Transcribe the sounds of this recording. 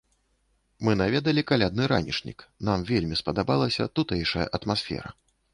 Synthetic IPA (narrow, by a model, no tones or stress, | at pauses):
mɨnavʲɛd̪ɐlʲikalʲad̪nɨɾa̰nʲḭʂnʲḭknamvʲelʲmʲispɐd̪abalˠɐsʲɐ̰t̪ut̪ɛjʂɐjɐ̰ʔɐt̪masfʲɛ̰ɾɐ̰